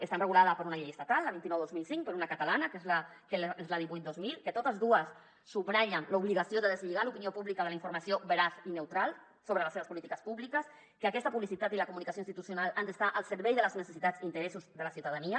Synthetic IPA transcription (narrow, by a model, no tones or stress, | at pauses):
əst̪anrəɣulaðəpəɾunaʎejəst̪at̪alːəβint̪inɔwðozmilsiŋk̚pəɾunəkət̪alanəkezla | keezləð̞iβujt̪̚d̪ozmilkət̪ot̪əzðuəsː | uβɾaʎənləuβliɣasioðəðəzʎiɣalupiniopuβlikəðələiɱfuɾmasiobəɾaθinewt̪ɾalˠ | soβɾələseβəspulit̪ikəspuβlikəs | kəəkɛst̪əpuβlisit̪at̪iləkumunikasjoinst̪it̪usjunalˠand̪əst̪aʔəlˠsəɾβɛjðələznəsəsit̪ad͡zint̪əɾesuzðəlasiuwt̪aðaniə